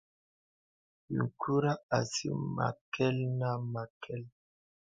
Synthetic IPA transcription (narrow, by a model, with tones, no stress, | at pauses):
jḭ˨ŋkʰu˦ɾa˦a˨sḭ˦ma̰˨kɛ˦lna˦ma˨kʰɛ˦l